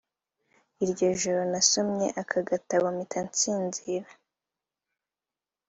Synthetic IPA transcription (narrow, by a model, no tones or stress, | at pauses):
iɾɟo̞ʒoɾonasomɲe̞̰ʔakʰaɡataβomitʰant͡siːnziːɾa